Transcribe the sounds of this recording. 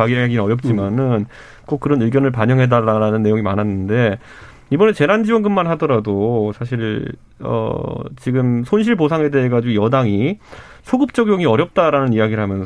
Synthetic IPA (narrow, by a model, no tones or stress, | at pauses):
aɡieɦeɡinnʌɾjʌp̚t͡ɕ͈imanɯn | k͈ok͈̚ɯɾʌnɯɭɡjʌnɯɭpaɲʌŋɦe̞daɾaɾanɯnːe̞joŋimanɦanːɯnde̞ | ibʌnent͡ɕe̞ɾand͡ʑiwʌnɡɯmːanɦadʌɾadosʰaɕ̬ʰiɭ | ʌ̰t͡ɕiɡɯmsʰonɕ̬ʰiɭposʰaŋɦe̞de̞ɦeɡad͡ʑiɡojʌdaŋi | sʰoɡɯp̚t͡ɕ͈ʌɡjoɡiʌɾjʌp̚t͈aɾanɯnijaɡiɾɭɦamjʌns